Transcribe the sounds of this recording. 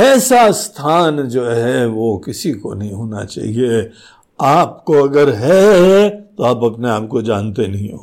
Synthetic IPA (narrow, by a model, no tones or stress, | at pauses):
ɛːsast̪ʰaːnd͡ʒoːɦɛʋokɪsiko̰nɐɦĩɦoːna̰t͡ʃa̰ːɦie | aːp̚koɐɡəɾɦɛ | t̪oaːpɐpneaːp̚kod͡ʒaːnt̪enɐɦĩɦo̰ː